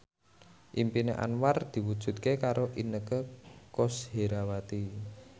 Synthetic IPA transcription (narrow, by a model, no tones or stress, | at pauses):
ʔimpineʔa̰nward̪̥i̤wud̥ʒ̥ṳt̪̚kekaɾoʔinəkəkosheɾawat̪i